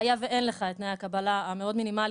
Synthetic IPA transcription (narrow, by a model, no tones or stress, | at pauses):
ajave̞ʔe̞nleχaet̪najakabalaːme̞o̞dminimal